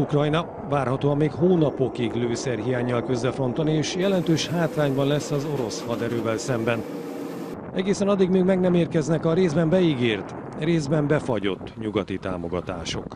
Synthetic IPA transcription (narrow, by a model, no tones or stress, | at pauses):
ukrɒjnɒ | vaːrhɒt̪oːɒmːeːkhoːnɒpo̞kiɡløːsɛrɦijaːɲːɒlkø̞zːɛfo̞nt̪ɒnieːʃjɛlɛnt̪øːʃhaːt̪raːɲbɒnlɛsːɒzo̞ɾo̞shɒd̪ɛɾøːvɛlsɛmbɛn | ɛɡeːsɛnɒd̪ːiɡmøːɡmɛɡnɛmeːrkɛznɛkɒɾeːzbɛmbɛiɡeːrt̪ | reːzbɛmbɛfɒɟo̞̰t̪ːɲuɡɒt̪it̪a̰ːmo̞ɡɒt̪a̰ːʃo̞̰k